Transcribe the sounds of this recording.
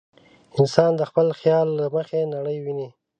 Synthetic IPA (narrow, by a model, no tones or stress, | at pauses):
ɪnsɑnd̪əxpəlxjɑlːaməxenaɽəjwini